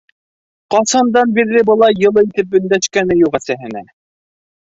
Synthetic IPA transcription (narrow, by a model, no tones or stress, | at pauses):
qɑsɑnd̪ɑnbiɾðɘbɤ̆lˠɑjɤ̆lˠɤit̪ɘp̚bɵ̆nd̪æʃkænɘjuʁæsæɦɘ̆næ